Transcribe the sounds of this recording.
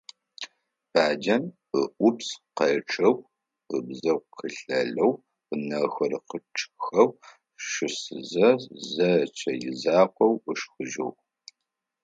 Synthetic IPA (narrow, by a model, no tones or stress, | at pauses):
b̥aːd͡ʒɐn | əʔʷʊpsqɐʈ͡ʂʰʼɐw | əbzɐwʷqʰəɬɐɮɐw | ənɐxɐrqəʈ͡ʂʰʼxɐw | ʃɨsɨzɐzɐt͡ʃʰɐjɪzaːqʷɔwəʂxɨʒɐw